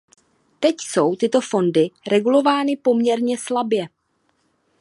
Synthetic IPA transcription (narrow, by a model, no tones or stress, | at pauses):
t̪ɛcso̞wt̪ɪt̪o̞fo̞ndɪɾɛɡulo̞vaːnɪpo̞mɲɛɾɲɛslabjɛ